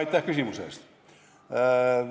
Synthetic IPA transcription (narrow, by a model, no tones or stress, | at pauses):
jt̪ːˑehkysimusḛˑst̪ː